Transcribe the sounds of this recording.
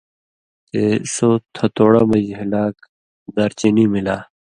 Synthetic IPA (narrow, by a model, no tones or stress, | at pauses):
t̪esot̪ʰɐt̪oːɽaːmɐjɦilaːk | d̪ɐɾt͡ɕiniːmilaː